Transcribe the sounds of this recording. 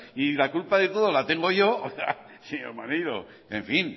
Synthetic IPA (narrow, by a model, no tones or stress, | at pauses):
ilakulpaðe̞t̪o̞ðolat̪e̞ŋɡo̞ʝo̞a̰ | seɲo̰ɾmaniðo̰ | eɱfin